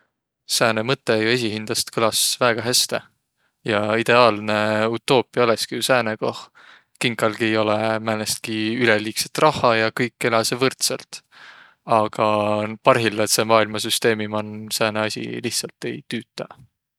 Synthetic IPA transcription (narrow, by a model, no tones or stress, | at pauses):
sæːnemɤt̪ːe̞jue̞s̬ʲiɦind̪̥ɑst̪kʰɯlɑsvæːɡ̥ɑɦæst̪e̞ | jɑid̪̥e̞ɑːlne̞ut̪ˑːo̞ːpˑiɑleskijusæːnekoh | kiŋkˑɑlɡ̥ie̞jo̞lemæːlest̪̚kiyleliːkset̪ːˑrɑhːɑjɑkɤjkːˑe̞lɑsevɤrt̪selt̪ | ɑɡ̥ɑpɑrɦilːet̪se̞mɑːilmɑsyst̪e̞ːmimɑnsæːneɑsʲḭliht̪sɑlt̪ːˑe̞jt̪yːt̪ːˑɑ